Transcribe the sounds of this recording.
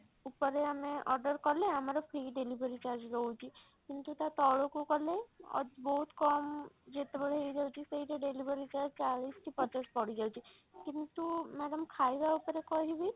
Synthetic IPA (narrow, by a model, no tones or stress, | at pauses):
upəɾeameʔɔɾɖəɾkɔleamaɾopʰɾiɖelibəɾit͡ʃaɾd͡ʒɾɔɦut͡ʃʰi | kint̪ut̪at̪ɔɭokokɔleɔ̰bɔɦut̪kɔmd͡ʒet̪ebəɽ̤eid͡ʒawt͡ʃʰiseiʈeɖelibəɾit͡ʃaɾd͡ʒt͡ʃaɭisʈʰipɔt͡ʃəɾspɔɽ̤iɡawt͡ʃʰi | kint̪umɛɖəmkʰajbaupəɾekɔɦibi